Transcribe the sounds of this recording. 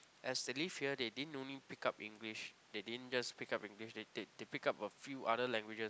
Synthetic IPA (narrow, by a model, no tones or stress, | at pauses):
ʔɛsdəlifhiədedidə̃nõnlipikapĩŋɡliʃ | dedidə̃nd͡ʒaspikapĩŋɡliʃdededepikapəfjuʔaɾəlɛ̃ŋɡwid͡ʒəs